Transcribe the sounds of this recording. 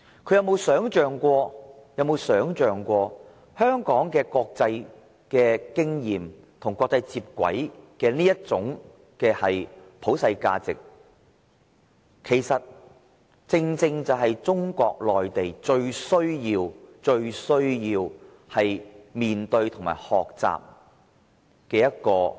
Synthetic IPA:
kʰɵ˨˧jɐ˨˧wmo˨˧wsœː˨˥ŋt͡ʃœː˨˩ŋkʷɔː˧jɐ˨˧wmo˨˧wsœː˨˥ŋt͡ʃœː˨ŋkʷɔː˧ | hœː˥ŋkɔː˨˥ŋkɛː˧kɔː˧k̚t͡sɐ˧j | kɛː˧kɪ˥ŋjiː˨˩m | t̪ʰʊ˨˩ŋkʷɔː˧k̚t͡sɐ˧jt͡siː˧p̚kʷɐ̰˨˥jkɛː˧niː˥jɐ˥t̚t͡sʊ˨˥ŋ | kɛː˧hɐ˨jpʰo˨˥wsɐ˧jka̰ː˧t͡sɪ˨k̚ | kʰe˨˩jsɐ˨t̚ | t͡sɪ˧ŋt͡sɪ˧ŋt͡sɐ˨wɦɐ˨jt͡ʃʊ˥ŋkʷɔː˧k̚lɔː˨jt̪e˨jt͡ʃɵ˧ɥsɵ˥ɥjiː˧wt͡ʃɵ˧ɥsɵ˥ɥjiː˧w | hɐ˨jmiː˨nt̪ɵ˧ɥt̪ʰʊ˨˩ŋma̰ː˨˩jhɔː˨k̚t͡sa̰ː˨p̚ | kɛː˧jɐ˥t̚kɔː˧

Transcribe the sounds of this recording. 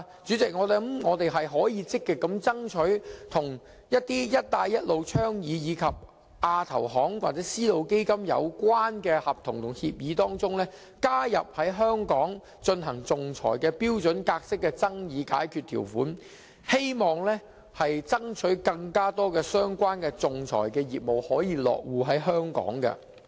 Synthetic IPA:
t͡ʃyː˨˥t͡sɪ˨k̚ŋɔː˨˧t̪e˨˥ŋɔː˨˧t̪e˨jɦɐ˨jɦɔː˨˥jiː˨˧t͡sɪ˥kːɪ˨kːɐ˨˥mt͡sɐ˥ŋt͡ʃʰɵ˨˥ɥt̪ʰʊ˨˩ŋ | jɐ˥t̚t̪iː˥jɐ˥t̚t̪aː˧jːɐ˥t̚lo˨˧wt͡ʃʰœː˥ŋjiː˨˧jiː˨˧kʰɐ˨p̚ | ʔaː˧t̪ʰɐ˨˩wɦɔː˨˥ŋwa̰ː˨k̚t͡sɛː˨˦˥siː˥lo˨˧wke˥jkɐ˥mjɐ̰˨˧wkʷaː˥nkɛː˧hɐ˨p̚t̪ʰʊ˨˩ŋt̪ʰʊ˨˩ŋhiː˧p̚jiː˨˧t̪ɔː˥ŋt͡sʊ˥ŋlɛː˥ | kaː˥jɐ̰˨p̚hɐ˨˥jɦœː˥ŋkɔː˨˥ŋ | t͡ʃɵ˧nɦɐ˨˩ŋt͡sʊ˨ŋt͡sʰɔ̰ː˨˩jkɛː˧piː˥wt͡sɵ˨˥nkaː˧k̚sɪ˥kːɛː˧t͡sɐ˥ŋjiː˨˥ka̰ː˨˥jkʰyː˨˧t̪̚ʰḭː˨˩wfuː˨˥n | he˥jmɔː˨˩ŋlɛ˥ | hɐ˨jt͡sɐ˥ŋt͡ʃʰɵ˨˥kɐ˧ŋkaː˥t̪ɔː˥kɛː˧sœː˥ŋkʷaː˥nkɛː˧t͡sʊ˨ŋt͡sʰɔ̰ː˨˩jkɛː˧jiː˨p̚mo˨whɔː˨˥jiː˨˧lɔ̰ː˨k̚wuː˨˧ɦɐ˨˥jɦœː˥ŋkɔ̰ː˨˥ŋkɐ̰˧

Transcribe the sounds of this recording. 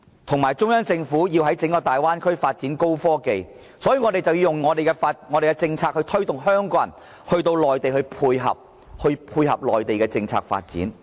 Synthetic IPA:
t̪ʰʊ˨˩ŋmaː˨˩jt͡sʊ˥ŋjœː˥ŋt͡sɪ˧ŋfuː˨˥jiː˧wɦɐ˨˥jt͡sɪ˨˥ŋkɔː˧t̪aː˨˩jwaː˥nkʰɵ˥ɥfaː˧t̚t͡siː˨˥nko˥wfɔː˥ke˨j | sɔː˨˥jiː˧ŋɔː˨˧ɾe˨jt͡sɐ˨wji˧jʊ˨ŋŋɔː˨˧d̪e˨jkɛ˧faː˧t̚ŋɔː˨˧ɾe˨kɛ˧t͡sɪ˧ŋt͡sʰaː˧k̚hɵ˧t̪ʰɵ˥ɥt̪ʊ˨ŋɦœː˥ŋkɔ˧˥jɐ˨˩n | hɵ˧ɥt̪o˧wlɔː˨jt̪e˨jhɵ˧pʰuː˧jɦɐ̰˨p̚ | hɵ˧ɥpʰuː˧jhɐ˨p̚lɔː˨˩jt̪e˨jkɛː˧t͡sɪ˧ŋt͡sʰa̰ː˧k̚fa̰ː˧t̚t͡sḭː˨˥n

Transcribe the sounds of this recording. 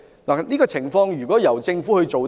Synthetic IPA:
laː˨niː˥kɔː˧t͡sʰɪ˨˩ŋfɔː˧ŋjyː˨kɔː˨˥jɐ˨˩wt͡sɪ˧ŋfuː˨˥hɵ˧ɥt͡so˨w

